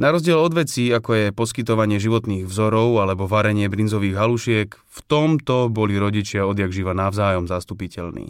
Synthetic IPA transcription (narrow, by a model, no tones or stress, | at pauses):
naɾɔzɟɪɛlɔd̪ʋɛt͡siːakɔjɛpɔskit̪ɔʋaɲɪɛʒiʋɔt̪niːɣvzɔɾɔʊalɛbɔʋaɾɛɲɪɛbɾinzɔʋiːɣɦaluʃɪɛk | ft̪ɔmt̪ɔbɔliɾɔɟit͡ʃɪaɔd̪jaɡʒiʋanavzaːjɔmzast̪upicɛlnḭː